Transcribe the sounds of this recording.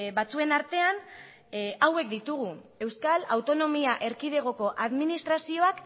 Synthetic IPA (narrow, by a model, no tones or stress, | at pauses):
bat͡sue̞naɾt̪e̞an | awe̞kd̪it̪uɣ̞ue̞wskalawt̪o̞no̞miaʔe̞ɾkið̞e̞ɣ̞o̞ko̞ʔaðminist̪ɾasio̞ak